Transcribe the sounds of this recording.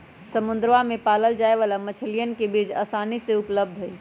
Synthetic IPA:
səmund̪ɾʋamepaləld͡ʒaeʋalamət͡ʃʰəlijənkebid͡ʒə̰saniseupləb̚d̪ʱɦo

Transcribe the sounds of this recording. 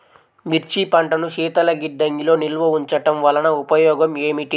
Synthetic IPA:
miɾt͡ʃipɐɳʈɐnuʃiːt̪ɐlɐɡiɖːɐŋɡilo̞ːnilʋɐuɲt͡ʃɐʈɐmʋɐlɐnɐupɐjɔːɡɐme̞ːmiʈi

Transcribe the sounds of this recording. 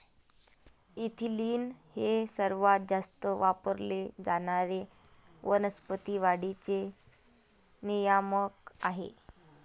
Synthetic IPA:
it̪ʰiliːnhesəɾʋat̪̚d͡zast̪əʋapəɾled͡zaɽ̃aɾe | ʋənəspət̪iʋaɽit͡se | nijaməkaɦḛ

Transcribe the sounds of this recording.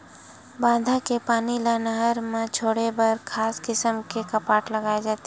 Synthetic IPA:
bãːd̪ʱakepaːnilanəɦəɾmẽt͡ʃʰoːɽebəɾkʰaːskɪsəmkekəpaːʈləɡaːed͡ʒaːt̪e

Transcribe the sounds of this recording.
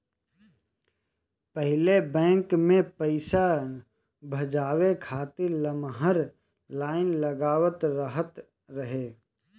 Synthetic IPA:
pəɦɪlebɛ̃ːŋkmẽpəɪsa | bʱɐd͡ʒaːwekʰaːt̪ɪɾləmɦəɾ | laːɪnləɡaːwət̪ɾəɦət̪ | ɾəɦeː

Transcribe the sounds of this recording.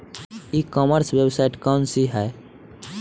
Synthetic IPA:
ikɔməɾswjebsaːɪʈkɔːnsiɦɛ

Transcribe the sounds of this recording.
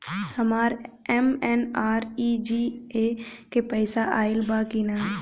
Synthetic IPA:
həmaːɾɛmɛnaːɾid͡ʒiːekepəɪsaʔaːɪlbaːkinaː

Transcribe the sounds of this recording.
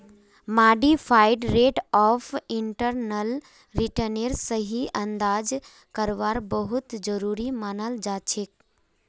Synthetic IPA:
maːɖifʰaɪɖɾeːʈɔːfʰɪɳʈəɾnəl | ɾiʈəneɾsəɦiʔɐ̃nd̪aːd͡ʒ | kəɾʋaːɾbəɦʊt̪d͡ʒəɾuːɾimaːnəld͡ʒaːt͡ʃʰek

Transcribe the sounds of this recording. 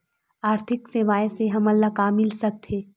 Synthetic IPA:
aːɾt̪ʰɪkseʋaːjseɦɐmɐlːakaːmːɪlsɐk̚t̪ʰeː

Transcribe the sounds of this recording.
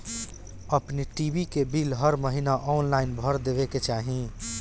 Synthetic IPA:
əpniʈibʱikebilɦəɾməɦinaʔɔnlaɪnbʱəɾd̪ebeket͡ʃaːɦĩ

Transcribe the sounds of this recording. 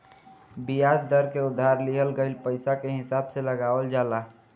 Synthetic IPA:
bijad͡ʒd̪əɾkeud̪ʱːaɾliɦəlɡəɪlpəɪsakeɦɪsabseləɡaʋəld͡ʒala

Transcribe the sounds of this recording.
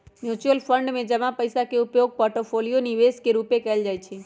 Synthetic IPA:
mjut͡ʃuəlpʰəɳɖmẽd͡ʒəmãpəjsakeupjoɡ̚pɔɾʈopʰolijoniʋeskeɾupekəld͡ʒaːjt͡ʃʰe

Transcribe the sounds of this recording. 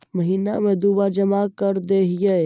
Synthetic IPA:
məɦiːnamẽd̪ubad͡ʒəmakəɾd̪eɦije

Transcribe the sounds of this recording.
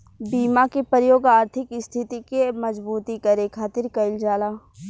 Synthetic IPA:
biːmakepəɾəjoːɡaːɾt̪ʰɪkɪst̪ʰɪt̪ikemɐd͡ʒbuːt̪ikɐɾekʰaːt̪ɪɾkɐɪld͡ʒaːlaː

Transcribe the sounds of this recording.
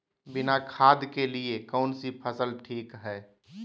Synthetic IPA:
bɪnakʰaːd̪keliekɔːnsipʰəsəlʈʰiːkɦɛː

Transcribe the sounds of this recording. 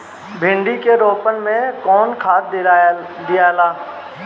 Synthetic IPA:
bʱɪ̃ɳɖikeɾoːpənmẽkɔːnkʰaːt̪̚ | d̪ijaːlaː

